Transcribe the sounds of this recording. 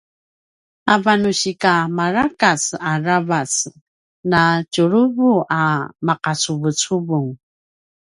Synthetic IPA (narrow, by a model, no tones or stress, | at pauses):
avanuɕikamaɾakat͡saravat͡s | nat͡ʃuɾuvuʔamaqat͡suvut͡suvuŋ